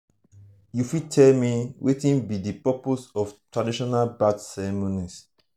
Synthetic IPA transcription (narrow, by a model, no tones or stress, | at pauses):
jufitʰɛlmiwʔetĩnbidipɔposɔftɹadiʃɔnalbadsɛɹɛmonis